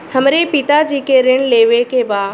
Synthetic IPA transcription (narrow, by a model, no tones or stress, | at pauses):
həmɾepɪt̪ad͡ʒiːkeɾɪɳ̃leːʋekebaː